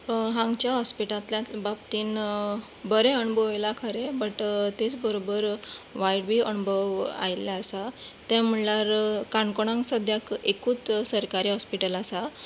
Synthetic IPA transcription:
ɦãŋɡt͡ɕjaɦɔspiʈat̪ljababt̪iːn | bəɾeəɳubʱəʋjlakʰaɾebəʈt̪et͡sbəɾobəɾʋajɽbiːəɳbʱəʋa̰jljaəsat̪am̤ulaɾkaɳkoɽ̃ãŋksəd̪ʱjakekuːt͡ssəɾkaɾiːɦɔspiʈəlasa

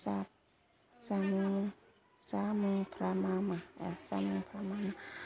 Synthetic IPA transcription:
sap̚ | sami | samipʰɾamamaasamipʰɾamama

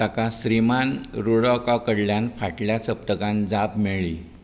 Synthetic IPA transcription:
t̪akasɾimanɾuɭɔkakəɽljãnfʰaʈljat͡səp̚t̪əkãnd͡zapmeɭiː

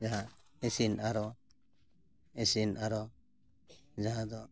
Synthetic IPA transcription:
d͡ʒaɦã | esinaɾɔ | esinaɾɔ | d͡ʒaɦãd̪ɔ

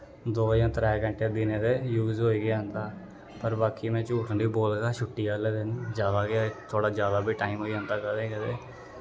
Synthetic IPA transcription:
d̪oːjãːt̪əɾɛːɡəɳʈeːb̪ɪneːd̪eːjuːzɦoːiːɡɪaːənd̪aː | pəɾbaːkiːmɛ̃ːt͡ʃuːʈənɖiːboːlɡaːʃʊʈːiːɡaːleːd̪ɪnd͡ʒjaːd̪aːɡɪjaːt̪ʰoːɽaːd͡ʒjaːd̪aːbʱiːʈaːimɦoːiãːnd̪aːkəd̪eːkəd̪eː

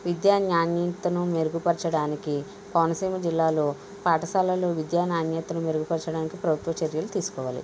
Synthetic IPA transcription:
ʋid̪jaːnaːnjɐt̪ɐnumeɾuɡupɐɾt͡ʃɐɽaːniki | pɐʋɐnɐsiːmɐd͡ʒilːaːlo̞ː | paːʈɐsaːlɐloːʋid̪jaːnaːnjɐt̪ɐnume̞ɾuɡupɐɾt͡ʃɐɽaːnikipɾɐbʱut̪ʋɐt͡ʃɐɾjɐlut̪iːsu̥kɔːʋaːlḭ

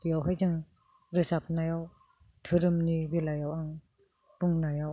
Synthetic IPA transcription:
jawɦajzɯŋ | ɾɯsap̚najaw | tʰɯɾɯmnibelajawaŋ | buŋnajaw

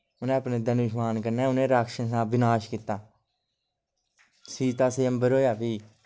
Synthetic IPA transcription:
ʊnẽːəpneːd̪ənʊʃmaːnkəɾnẽːʊnẽːɾaːkʃəns̬ãːbɪnaːʃkɪt̪ːaː | siːt̪aːseːəmbəɾɦoːjaːpiː

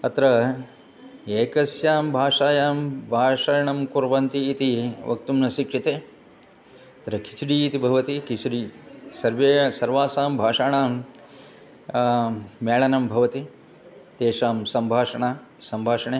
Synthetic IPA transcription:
ɐt̪ɾɐ | eːkɐsjaːmbʱaːʂaːjaːmbʱaːʂaːjɐɳɐmkuɾʋɐnt̪iːt̪iʋɐ̰k̚t̪umnɐʃikʂit̪eː | ɐt̪ɾɐkʰit͡ʃiɽiːt̪ibʱɐʋɐt̪ikisiɽiːsɐɾʋeːsɐɾʋaːsaːmbʱaːʂaːɳaːm | meːɭɐnɐmbʱɐʋɐt̪i | t̪eːʂaːmsɐmbʱaːʂɐɳaː | sɐmbʱaːʂɐɳeː

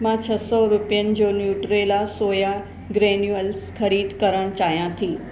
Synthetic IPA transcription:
mãt͡ɕʰɐsɔɾʊpijənɪ̆d͡ʑoːnjuːʈɾelasoːja | ɡɾeːnjuəlskɐɾiːd̪kəɾəɽ̃t͡ɕaːɦjãt̪ʰiː

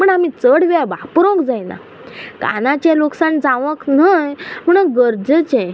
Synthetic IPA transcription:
məɳamit͡səɽʋaʋapɾõkd͡zajna̰ | ka̰nat͡ɕẽloksand͡zãʋəknəjm̤əɽ̃uɡəɾd͡zət͡ɕɛ̃

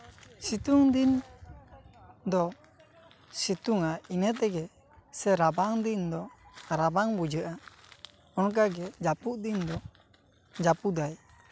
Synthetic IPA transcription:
sit̪uŋd̪in | d̪ɔ | sit̪uŋainət̪ɛɡɛ | sɛɾabaŋd̪ind̪ɔaɾabaŋbud͡ʒəʔa | ɔnk̬aɡɛd͡ʒapuʔd̪ind̪ɔ | d͡ʒapud̪aj

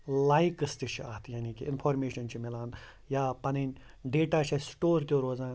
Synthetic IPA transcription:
laːikəst̪it͡ʃʰiaːt̪ʰjaːnikiɪnpʰoːɾmeːʃɐnt͡ʃʰimɪlaːn | jaːpɐnenʲ | ɖeːʈaːt͡ʃʰɐsʈoːɾt̪ʲjoɾoːzãːn

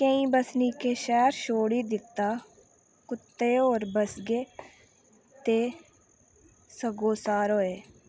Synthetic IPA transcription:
kə̃ĩːbəsniːkeːʃɛːɾʃoːɽiːd̪ɪt̪ːaː | kʊt̪ːeːoːɾbəsɡeː | t̪eː | səɡoːsaːɾɦoːeː

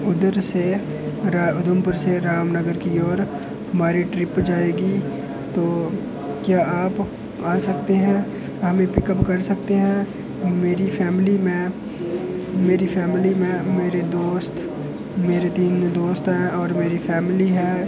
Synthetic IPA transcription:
ʊd̪əɾse | ɾaːʊd̪əmpʊɾseɾaːmnəɡəɾkiɔːɾ | ɦɐmaːɾiʈɾɪpd͡ʒaːeːɡi | t̪oː | kjaːaːp | aːsɐk̚t̪eɦɛ̃ː | ɦɐmẽpɪkəpkɐɾsɐkt̪eɦɛ̃ | meːɾifʰɛːmɪlimẽ | meːɾifɛːmɪlimẽmeːɾed̪oːst̪ | meːɾet̪iːnd̪oːst̪ɦɛ̃ɔːɾmeːɾifɛːmɪliɦɛː

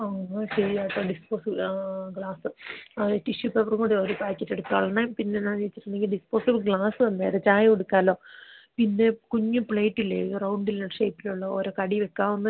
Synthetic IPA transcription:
ɐaɕɐɾijaːʈːoːɖispoːsiblɡɭaːsɨtːiɕupːɐʋɐruŋkuːɽeoːɾupaːkʲːɐtːeɽuk̪ːa̰ːɭːɐnajmpinːe̞ɲaːnt͡ɕe̞jit͡ɕːi̥ʈːund̪eŋɡilɖispo̞ːsibɨlɡɭaːsɨɐnːeːɾet͡ɕaːjɐoɽukːaːlo̞ːpinːe̞kuɲːupɭeːʈːilːerɐwɳɖilneʂeːpːiluɭːɐoːɾoːkɐɽiʋekːaːʋunːɨ

